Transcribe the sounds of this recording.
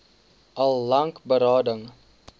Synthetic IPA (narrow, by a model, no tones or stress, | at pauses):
ʔɐlˠːɐŋkbəɾɑːdəŋ